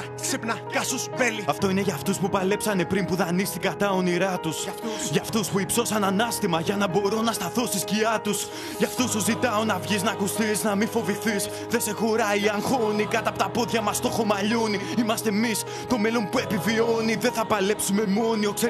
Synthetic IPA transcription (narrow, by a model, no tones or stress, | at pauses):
sipnɐ | kɐsuseliɐft̪o̞ine̞ʝɐːft̪uspupɐle̞psɐne̞pɾimpuðɐnist̪ikɐt̪ɐo̞niɾɐt̪usʝɐft̪uspuipso̞sɐnɐnɐst̪imɐʝɐnɐbo̞ɾonɐst̪ɐθo̞st̪isciɐt̪us | ʝɐft̪uspuzit̪ɐonɐvʝiznɐːkust̪iznɐmifo̞viθis | ðese̞xo̞ɾɐiɐŋxo̞nikɐt̪ɐpot̪ɐpo̞ðʝɐmɐst̪o̞xo̞mɐʎoniimɐst̪e̞mis | t̪o̞me̞lo̞npue̞pivio̞niðe̞nθɐpɐle̞psume̞mo̞nio̞kse